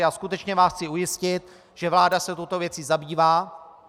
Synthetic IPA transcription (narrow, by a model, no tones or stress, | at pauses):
askut̪ɛt͡ʃɲɛvaːsxt͡sɪujɪscɪt̪̚ | ʒ̥ɛvlaːdasɛt̪owt̪o̞vjɛt͡siːzabiːvaː